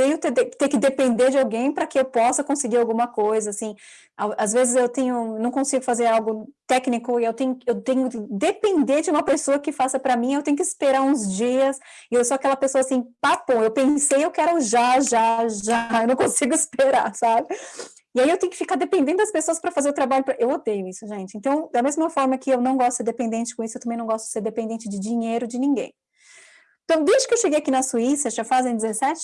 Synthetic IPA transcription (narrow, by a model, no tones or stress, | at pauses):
t̪ẽj̃ʊt̪eet̪eɾkɪd̪epẽnd̪eɾd͡ʒɪawɡẽj̃pɾɐkɪewpɔsɐkõsɪɡiɾawɡũmɐkojzɐasĩ | awazvezɪzewt̪ẽɲʊewnɐ̃w̃kõsiɡʊfazeɾawɡʊt̪ɛknikʊɪewt̪ẽj̃ʊewt̪ẽj̃ʊkɪd̪epẽnd̪eɾd͡ʒɪũmɐpesoɐkɪfasɐpɾɐmĩewt̪ẽjʊkɪspeɾaɾũzd͡ʒiɐs | ɪewsoakɛlɐpesoɐasĩpapõewpẽsejewkɛɾʊʒaʒaʒaewnɐ̃w̃kõsiɡʊɪspeɾasabɪ | ɪaiewt̪ẽɲʊkɪfikaɾd̪epẽnd̪ẽnd̪ʊdɐspesoɐspɾɐfazeɾʊt̪ɾabaʎʊpɾɐʔewod̪ejʊisʊʒẽnt͡ʃɪẽnt̪ɐ̃w̃d̪ɐmezmɐfɔɾmɐkɪewnɐ̃w̃ɡɔst̪seɾd̪epẽnd̪ẽnt͡ʃɪ̥kõisʊewt̪ɐ̃mẽnɐ̃w̃ɡɔst̪ʊd͡ʒɪ̥seɾd̪epẽnd̪ẽnt͡ʃɪd͡ʒɪd͡ʒĩɲejɾʊd͡ʒɪnĩŋɡḛ̃j̃ | ẽt̪ɐ̃w̃d̪eʒd͡ʒɪkewʃeɡejakinɐsuisɐʒafazẽd͡ʒ̪ɪzesɛt͡ʃɪ̥